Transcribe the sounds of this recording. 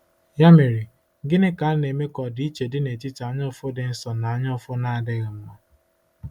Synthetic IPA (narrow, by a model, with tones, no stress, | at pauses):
ja˦me˨ɾi˨ | ɡɪ˦nɪ˦ka˨˦ne˨me˦kɔ˨dɪ˦i˦t͡ʃe˨dɪ˦ne˨ti˦ta˨˦ɲɔ˦fʊ˦dɪ˨n̩˦sɔ˨na˨ɔ˦ɲɔ˦fʊ˦na˦a˨dɪ˦ɣɪ˨m̩˦ma˦